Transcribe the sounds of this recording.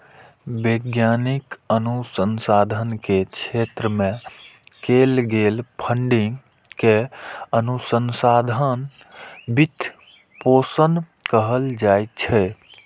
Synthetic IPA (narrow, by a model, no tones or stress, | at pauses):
beɡjanikənusənsad̪ʱənket͡ʃʰet̪ɾəmẽ | kelɡelpʰəɳɖiŋɡ | keənusənsad̪ʱən | bit̪ | posənkəɦəld͡ʒajtt͡ʃʰɛ